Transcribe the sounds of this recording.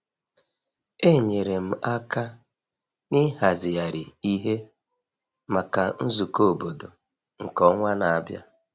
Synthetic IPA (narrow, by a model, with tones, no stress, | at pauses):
e˦˨ɲe˨ɾe˨m̩˨a˦ka˦ | ni˦ɦa˨zɪ˨ja˨ɾɪ˨i˦ɦe˦ | ma˨ka˨n̩˦zu˨ko˦˨bo˨do˨ | ŋ̩˨kɔ˦ŋʷa˦na˨a˨bja̰˦